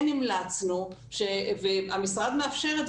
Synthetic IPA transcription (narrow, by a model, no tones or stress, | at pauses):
nimlat͡snu | ʃeveamisʁad̪meafʃe̞ʁe